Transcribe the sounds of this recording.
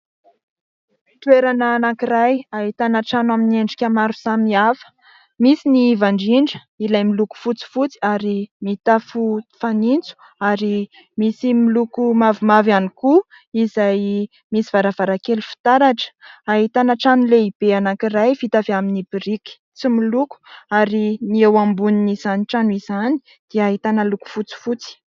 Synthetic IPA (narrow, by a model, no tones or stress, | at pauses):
t̪weɾanaːnaŋkiɾajaɦit̪anaʈ͡ʂanwaminieɳɖ͡ʐi̥kʲamaɾusamiafə̥ | misinivaɳɖ͡ʐiɳɖ͡ʐə̥ | ilajmiluku̥fut͡si̥fut͡si̥aɾimit̪afufanint͡su̥ | aɾi | misimilukumavimavaniku | izaj | misivaɾavaɾakelufi̥t̪aɾaʈ͡ʂə̥aɦit̪anaʈ͡ʂanleib̥eanaŋkirajfit̪aveaminibiɾiki̥ | t͡similuku̥aɾiniewambuniniz̥aniʈ͡ʂanuizani̥ | d̪̥iaɦit̪anəluku̥fut͡si̥fut͡si̥